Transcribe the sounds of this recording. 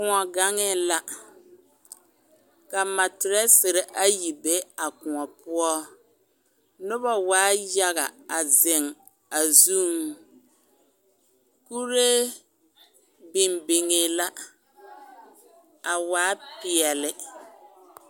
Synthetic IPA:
kʊ˨ŋɔ˨ɡa˦ŋɪ˦la˦ | ka˨ma˨tɪ˨ɾɛ˦sɪ˨ɾɪ˨ʔa˦ji˨be˦a˨kʊ˨ŋɔ˨pʊ˦ɔ˦ | nʊ˦ba˦waː˦ja˦ɣa˨a˨zɪ˨ŋ | a˨zu˦m | ku˦ɾe˦ | bɪ˨mbɪ˨ŋɪ˨la˦ | a˨waː˦pɪ˨ɛ˨lɪ˦

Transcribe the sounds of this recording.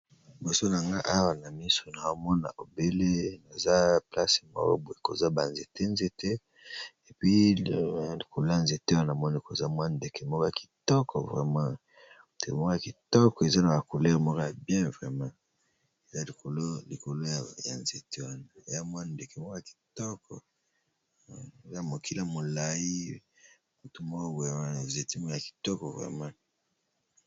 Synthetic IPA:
bo˨so˦na˨ŋɡa˦ʔa˦wa˨na˨mi˦so˨na˨o˨mɔ˦na̰˨ʔo˨be˦le˦na˨za˦pla˦se̥˨mɔ̰˦kɔ̰˦bo˨e˨ko˨za˦ba˨nze˨te˦nze˦tʰɛ˦ | e˨pɥi˦˨ | li˨kʰo˨lo˦ja˨nze˨te˦wa˦na˨a˨mɔ˦ni˦˨ko˨za˦mwa˦nde˨ke˨mɔ˦kɔ˦ja˨ki̥˨tɔ˦kʰɔ˨vʁɛ˨mã˦˨ | tḛ˨mɔ˦kɔ˦ja˨ki˨tɔ˦kɔ˨e˨za˦na˨ba˨ko˨lɛ˦ʁmɔ˦kja˨bjɛ̃˦vʁɛ˨mã˦ | e˨za˦li˨ko˨lo˦li˨ko˨lo˦ja˨ja̰˨nze˨te˦wa˦na˨e˨ja˦mwa˦nde˨ke˨mɔ˦kɔ˦ja˨ki̥˨tɔ˦kɔ̰˨ | e˨za˦˨mo˨kʰi˦la˨mo˨la˨ji˦ | mu˨tu˦mɔ˦kɔ˦ɡa˦na˨ze˨ti˦mɔ˦ka˨ki̥˨tɔ˦kɔ˨vʁɛ̰˨mã˦

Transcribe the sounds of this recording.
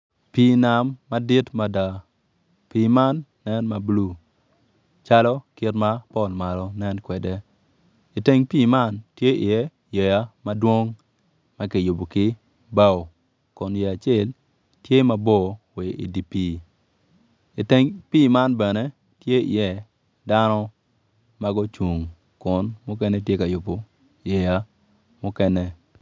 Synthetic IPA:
piː˦na˨mːa˦di˦tma˦da˨ | piː˦ma˦nːɛ˦nma˨blu˦˨ | t͡ʃa˦lɔ˦kɪ˦tma˦pɔ˦˨lma˨lɔ˨nɛ˦nkwɛ˨dɛ˦ | i˨te˦ŋpiː˦˨ma˦ntje˦ɪ˨jɛ˦ | je˨ja˦ma˦dwo˦ŋ | ma˦ki˨jʊ˨bo˨kɪ˦ | ba˦wo˨ | kʊ˨njɛ˨a˨t͡ʃɛ˦˨l | tje˦ma˦bɔ˦we˨ḭ˨di˨piː˦˨ | i˨te˦ŋpiː˦˨ma˦nbɛ˨ne˦ | tje˦ḭ˨jɛ˦ | da˦nɔ˦ | ma˦ɡɔ˦t͡ʃu˨ŋ | kʊ˨nmʊ˦kɛ˦nɛ˦tje˦ka˨ju˨bo˨ | je˨ja˦ | mʊ˦kɛ˦nɛ˦

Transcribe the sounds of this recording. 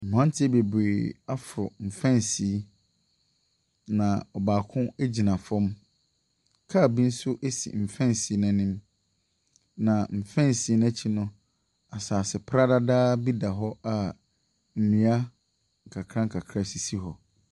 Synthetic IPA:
m̩˨hã˦n˦tʰɪ˦be˨be˨a˦fɾʊ̰˨m̩˨fɛ̃˦˨n˨si˨˦ | nã˨ɔ˨baː˨kʰʊ̃˦æ˦d͡ʑi˨nã˨fɔ̃˦m | kʰa˦˨bi˦n̩˦sʊ˦ʔe˦sḭ˨m̩˨fɛ̃˦n˨si˨i˦nɛ̃˦nɪ̃˦m | nã˨m̩˨fɛ̃˦nsi˨˦n˦ɛ̃˦t͡ɕʰi˦nʊ̃˦ | a˨saː˨sɪ˨pʰɾa˦da˦daː˦bi˦da˨ɦɔ˦a˨ | m̩˨nĩ˨a˦ | ŋ̩˨kʰa˨kʰɾã˦ŋ̩˨kʰa˨kʰɾa˦si˨si˦ɦɔ˨

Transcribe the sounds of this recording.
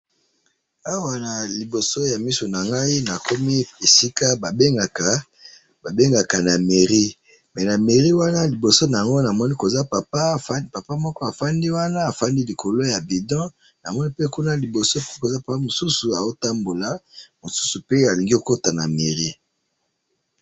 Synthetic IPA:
a˦wa˨na˨li˨bo˨so˦ja˨mi˦so˨na˨ŋɡa˦i˦na˨ko˦mi˦e˨si˦ka˦ba˨be˦ŋɡa˨ka˨ | ba˨be˦ŋɡa˨ka˨na˨me˨ʁi˦ | mɛ˨na˨me˨ʁi˦wa˦na˦li˨bo˨so˦na˨ŋɡo˦na˨mɔ˦ni˦ko˨za˦pa˨pa˦˨˦pa˨pa˦mɔ˦kɔ˦a˨fa˦ndi˦wa˦na˦a˨fa˦ndi˦li˨kʰo˨lo˦ja˨bi˨dɔ̃˦ | na˨mɔ˦ni˦pe˦ku˦na˦li˨bo˨so˦pe˦ko˨za˦pa˨pa˦mo˨su˦su˨a˨o˦ta˦mbo˨la˨mo˨su̥˦su˨pe˦a˨li˨ŋɡi˦ko˨ko˦ta˨na˨me˨ʁi˦

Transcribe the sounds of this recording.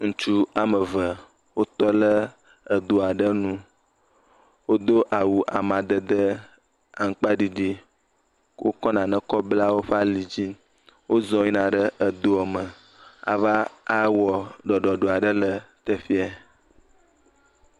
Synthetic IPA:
ŋũ˨t͡ʃu˦a˨mə˨və˨ | wo˦t̪ɔ˦lə˦ | ə˨d̪o˨a˨ɖə˦nũ˦ | wo˦d̪o˦ʔa˨wu˨ʔa˨mã˨d̪ə˨d̪ə˦ | a˨ŋ̩˦k͡pa˦ɖi˨ɖi˦ | wʔo̰˦kɔ˦nã˨nə̃˨kɔ˦bla˦wo˦ɸa˦li˨d͡ʑi˦ | wo˦zɔ˨ɲĩ˦nã˨ɖə˦ʔə˨d̪o˦ɔ˨mə˨ | a̰˨va˦a˦wɔ˨ɖɔ˨ɖɔ˨ɖo˨a˨ɖə˦lə˨t̪ə˨fi˦a˨

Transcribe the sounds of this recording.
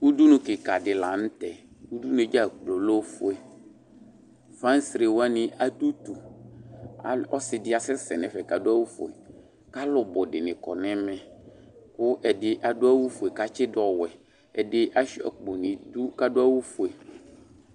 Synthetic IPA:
u˦du˦nʊ̃˨kɪ˨ka˨dɪ˨la˨n̩˦tɛ˨ | u˦du˦ne˨d͡ʒa˦˨k͡plo˨lo˦fʊ˨ɛ˨ | fã˦n˦sɾe˨wa˦nɪ̃˨ʔa˨du˦t̪u˨ | a˨ɔ˦sɪ˨dɪ˦a˨sɪ˦sɛ˨nɛ˨fɛ˨ka˨dʊ˦a˦wu˦fʊ̰˨ɛ̰˨ | ka˦lʊ˨bɔ˨dɪ˨nɪ̃˨kɔ̰˨nɛ̃˦mɛ̃˨kʊ˦ʔɛ˨dɪ˨ʔa˨dʊ˦a˦wu˦fʊ˨e˨ka˨t͡ʃɪ˦dɔ˨wɛ˨ | ɛ˨dɪ˦ʔa˦ʃi˦a̰˨k͡po˨nɪ̃˨du˦ka˦dʊ˦a˦wu˦fʊ˨e˨

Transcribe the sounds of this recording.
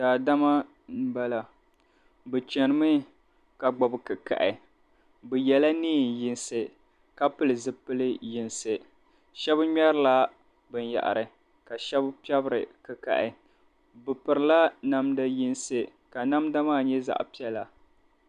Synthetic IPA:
daː˨da˦ma˦ | m̩˦ba˦la˨ | bɨ˨t͡ʃɛ˨nɨ˨˦mɨ˦ | ka˨ɡ͡bɔ˨bɨ˨kɨ˨ka̰˨ʔɪ˨ | bɨ˨jɛ˨la˦niː˦˨n˨jɪ˨nsɨ˨ | ka˦pɨ˦lɨ˨zɨ˦pɨ˦lɨ˦jɪ˨nsɨ˨ | ʃɛ˦bɲɛ˦ɾɨ˦la˦ | bɨ˨nja̰˨ʔa̰˨ɾɨ˨ | ka˨ʃɛ˦bpi˦ɛ˦bɨ˦ɾɨ̰˨kɨ˨ka̰˨ʔɪ˨ | bɨ˨pɨ˨ɾɨ˨la˦na˦mda˦jɪ˦nsɨ˨ | ka˨na˦mda˦maː˦˨ɲɛ˦za̰˦ʔpi˦ɛ˦la˨

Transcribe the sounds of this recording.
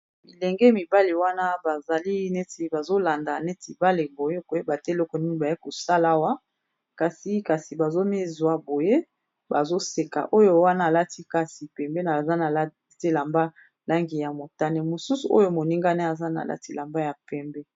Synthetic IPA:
mi˨lɛ˨ŋɡɛ˦mi˨ba˦le˨wa˦na˦ba˨za˨li˦ne˦ti˨ba˨zo˦la˨nda˨ne˦ti˨ba˦le˨bo˨je˦ko˨je˦ba˨te˦lɔ˦kɔ˨ni˦ni˦˨ba˨ji˦ko˨sa˦la˦wa˦ | ka˨si˨˦ka˨si˨ba˨zo˦me˦zwa˨bo˨je˦ | ba˨zo˦se˨ka̰˨ʔo˦jo˦wa˦na˦a˨la˦ti˦ka˨si˨pɛ˨mbe˦na˨za˦na˨lte˦la˨mba˦ | la˦ŋɡi˨ja˨mo˨ta˦ne˨mo˨su˦su˨o̰˦jo˦mo˨ni˦ŋɡa˦ne˦a˨za˦na̰˨lʔa̰˦ti˦la˨mba˦ja˨pɛ˨mbɛ˦

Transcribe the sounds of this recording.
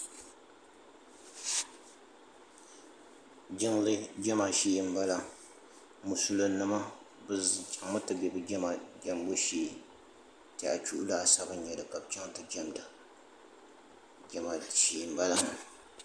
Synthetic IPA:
d͡ʒɪ˦ŋlɨ˦d͡ʒɛ˦ma˨ʃi˦m˦ba˦la˦ | mu˨su˦lo˦nːɨ˦ma˦ | bɨ˦t͡ʃʼa˨ŋmɨ˦tɨ˨bɛ˨bɨ˦d͡ʒɛ˦ma˨d͡ʒɛ˨mbo˦ʃiː˨ | tɛ˨ʔa̰˨t͡ʃu˦ʔu˦la˨˦˨sa˦bɨ˦ɲ˦ɲɛ˨dɨ˨ka˨b̚t͡ʃa˦ŋtɨ˨d͡ʒɛ˦mda˨ | d͡ʒɛ˦ma˨ʃi˨mba˦la˦

